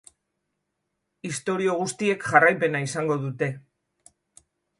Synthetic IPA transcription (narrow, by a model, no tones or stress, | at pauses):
ist̪o̞ɾio̞ɣ̞ust̪ie̞kʝarajpe̞naisaŋɡo̞ðut̪e̞